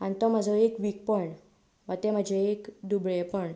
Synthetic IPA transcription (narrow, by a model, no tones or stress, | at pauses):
ant̪ɔm̤əd͡zʱɔekʋiːk̚pəɳ | ʋət̪em̤əd͡ʑʱeːkd̪ubɭepəɳ